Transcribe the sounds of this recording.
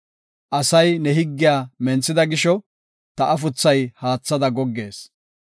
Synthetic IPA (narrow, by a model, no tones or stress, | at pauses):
ʔɐsɐjnɛɦɪɡːɪjaːmɛnt͡sːɪd̪ɐɡɪʃɔ | t̪ɐʔɐfʊt͡sːɐjhaːt͡sːɐd̪ɐɡɔɡːe̞ːs